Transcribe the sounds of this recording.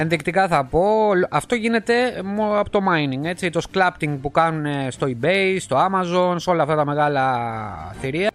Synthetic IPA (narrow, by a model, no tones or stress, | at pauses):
e̞nðikt̪ikɐθɐpo̞lʔɐft̪o̞ʝine̞t̪e̞moɐpot̪o̞mɐiniŋɡe̞t͡sit̪o̞sklɐpt̪iŋɡ̚pukɐnune̞st̪o̞ibejst̪o̞ɐmɐzo̞nseo̞lɐft̪ɐt̪ɐme̞ɣɐlɐ | θiɾiɐ